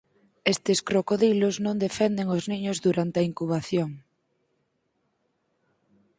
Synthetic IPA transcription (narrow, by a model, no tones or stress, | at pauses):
est̪eskɾokoðiloznõnd̪efend̪eŋozniɲʊzðuɾant̪ɐiŋkuβ̞aθjoŋ